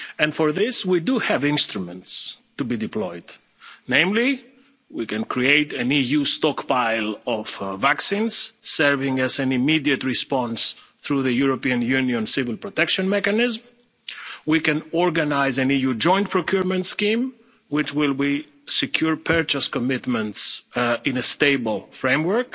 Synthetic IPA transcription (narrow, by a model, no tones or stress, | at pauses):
ɛ̃ndfɔɹðɪswiduhævɪ̃nst̪ɹumɛ̃ntstubidɪplɔɪd | nẽɪ̃mli | wikɛ̃nkɹieɪtɨ̃nijust̪ɔkpaɪlɔv̥vaksĩnz̥sɛɹvɪ̃ŋɛzæ̃nimidiɨtɹispɑɔ̃nsθɹuðəjuɹɔpiɨ̃njũnjɔ̃nsɪvɪlˠpɹɔtɛkʃɔ̃nmɛkanɪzm | wikɛ̃nɔɹɡanaɪzæ̃nijud͡ʒɔ̃ɪ̃nt̚pʰɹɔkjuɹmɛ̃ntskĩm | wɪt͡ʃwɪlˠwi | sɛkʰjuɹpʰɛɹt͡ʃəskɔmɪtmɛ̃ntsɪ̃nəsteɪbəl̩ˠfɹẽɪ̃mwə˞k